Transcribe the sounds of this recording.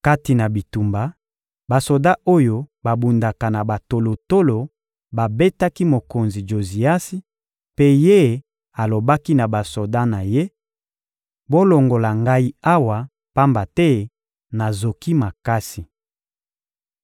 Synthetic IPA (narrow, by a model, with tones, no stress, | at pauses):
ka˦ti˨na˨bi˨tu˨mba˨ | ba˨so˨da˦ʔo˦jo˦ba˨bu˨nda˨ka˨na˨ba˨to˨lo˨to˦lo˨ | ba˨be˦ta˦ki˦mo˨ko˨nzi˨d͡ʒo˨zi˨a˦si˦ | pe˦je˦ | a˨lo˨ba˦ki˦na˨ba˨so˨da˦na˨je˦ | bo˦lo˨ŋɡo˨la˨ŋɡa˦i˦a˦wa˨ | pa˦mba˨tɛ˦ | na˨zo˨ki˦ma˨ka˦si˨